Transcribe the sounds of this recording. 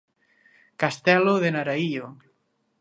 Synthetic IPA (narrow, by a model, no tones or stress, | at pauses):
kast̪ɛloðenaɾaio